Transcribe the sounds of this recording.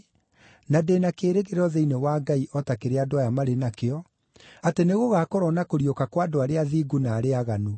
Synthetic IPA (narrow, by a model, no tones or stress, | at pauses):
nadenakeːɾeɣeɾɔðeinewaɡaiʔɔtakeɾeadowajamaɾenakeɔ | ateneɣoɣakɔɾɔnakoɾiokakwadoaɾeaðiɡunaːɾeaɣanu